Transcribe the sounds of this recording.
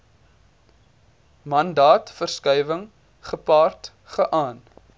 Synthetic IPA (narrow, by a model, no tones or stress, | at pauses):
mɐndɑːtfərskœjvəŋ | χəpɑːrt | χəʔɑːn